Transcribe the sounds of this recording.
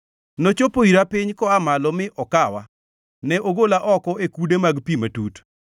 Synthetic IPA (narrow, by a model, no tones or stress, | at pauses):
not͡ʃopoiɾapɪɲkɔamalɔmɪʔɔkawa̰ | nɛʔoɡolaʔɔkɔekudemaɡpimatut